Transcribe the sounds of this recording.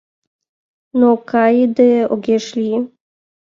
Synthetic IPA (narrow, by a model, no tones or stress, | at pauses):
nokajd̪ɛoɡʲeʃlʲi